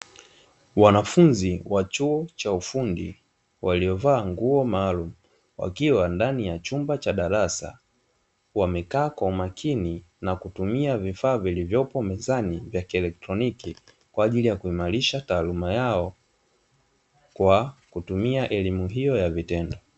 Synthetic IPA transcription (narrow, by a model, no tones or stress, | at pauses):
wanafunziwat͡ʃuɔt͡ʃaufundi | waliɔvaːŋɡuɔmaːlumu | wa̰kiwandanijat͡ʃumbat͡ʃaɗaɾasa̰ | wamɛkaːkwaumakʰini | nakutumiavifaːvilivjɔpɔmɛzanivjakiɛlɛk̚tɾɔniki | kwaːʄilijakuimaɾiʃataːlumajaɔ | kwakutumiaʔɛlimuɦijɔjavitɛndɔ